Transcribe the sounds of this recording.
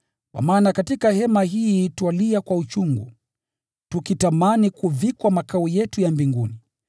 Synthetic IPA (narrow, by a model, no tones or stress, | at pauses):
kwa̰maːnakatikahɛmahiːtwaliakwaut͡ʃuŋɡṵ | tukitamanikuvikwamakaujɛtujambiŋɡuni